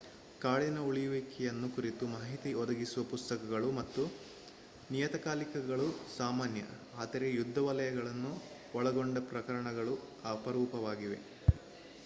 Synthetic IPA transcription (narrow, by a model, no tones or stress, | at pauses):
kaːɭinɐuɭijuʋeːkɛjɐnːukuɾit̪umaːɦit̪iɔd̪ɐɡisuʋɐpust̪ɐkɐɡɐɭumɐt̪ːu | nijɐt̪ɐkaːlikɐɡɐɭusaːmaːnjɐ̰ | aːd̪ɐɾejud̪ʱːɐʋɐlɐjɐɡɐɭɐnːu | ɔɭɐɡoɳɖɐpɾɐkɐɾɐɳɐɡɐɭu | ɐpɐɾuːpɐʋaːɡiʋe̞̰